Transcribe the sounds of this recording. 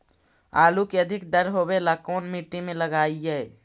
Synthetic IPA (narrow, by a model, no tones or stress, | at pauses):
a̰ːlukeəd̪ʱɪkd̪əɾɦobelakoːnmiːʈːimẽləɡaːiɦɛː